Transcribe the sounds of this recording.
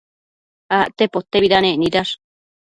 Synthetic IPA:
aʔt̪epot̪ːeβidaneʔniɾaʂ

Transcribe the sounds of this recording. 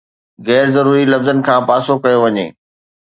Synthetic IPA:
ɣɛːɾzɐɾuːɾilɐfzənɪ̆kʰãːpaːsokɐjoʋɐɲḛː

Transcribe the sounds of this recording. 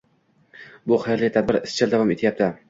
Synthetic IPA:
bʊχajɾlɪjt̪ʰad̪̚bɪɾɪst͡ʃʰɪld̪avɒmet̪ʰɪjap̚t̪ʰɪ

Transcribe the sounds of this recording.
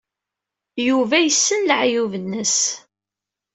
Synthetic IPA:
juvæjəsːənlʕjuvənːəs

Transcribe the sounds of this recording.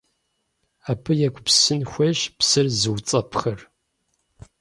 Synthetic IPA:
aːpʰɨjɛkʷʼpsɨnxʷɐʒpsɨrzɨwt͡sʼɐpʰχɐr

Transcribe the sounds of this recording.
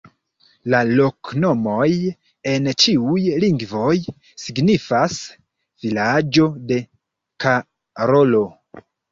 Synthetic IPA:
lalokno̞mo̞j | e̞nt͡ʃiujliŋɡvo̞j | siɡnifas | v̥ilad͡ʒo̞de̞ | ka | ɾo̞lo̞

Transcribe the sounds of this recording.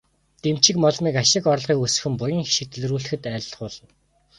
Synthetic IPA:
t̪em̥t͡ɕɪ̆kmɔɮmiːkaʃɪ̆kɔrɮʁiːkus̆xɘ̆mpʊjɪ̆ŋxi̥ʃĭk̚t̪̆ʰɮ̆ruːɮɘ̆xɘ̆t̪æ̆ːɮχʊːɮə̆n

